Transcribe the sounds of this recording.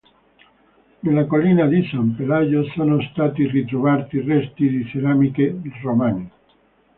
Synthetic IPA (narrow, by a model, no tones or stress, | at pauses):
nelakolinad̪isampelajosonost̪aːt̪irit̪ɾovaɾt̪irɛst̪id̪iseɾamikeromani